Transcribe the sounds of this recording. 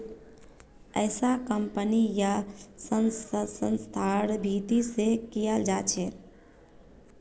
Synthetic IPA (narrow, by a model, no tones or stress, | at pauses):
ə̰ɪsakəmpənijasənsəsənst̪ʰaɾbʱit̪isekijəld͡ʒat͡ʃʰɛ